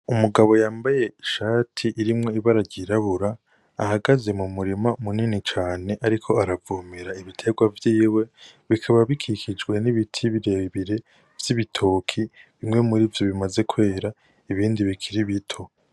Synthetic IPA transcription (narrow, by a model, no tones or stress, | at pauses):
umuɡaβo̞jaːmbaje̞iʃaːtʰiʔiɾimŋo̞iβaɾaɟiɾaβuɾa̰ː | haɡaze̞mumuɾimamuninit͡ʃaːne̞ʔaɾikʰo̞aɾavuːmiɾaiβitʰe̞ɡwavjiːwe̞βikʰaβaβikʰikʰid͡ʒɡwe̞niβitʰiβiɾe̞βiɾe̞ | v̥jiβitʰo̞ːkʰiβimŋwe̞muɾivjo̞βimaze̞kʰwe̞ːɾa | iβiːndiβikʰiɾiβitʰo̞